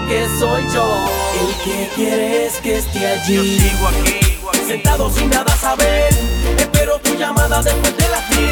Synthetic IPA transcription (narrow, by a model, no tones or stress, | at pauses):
kesojd͡ʒoelkekje̞ɾeeskest̪eaʝi | sent̪aðosinːaðasaβeɾespe̞ɾo̞t̪uʝamaðaðespwezd̪elat̪i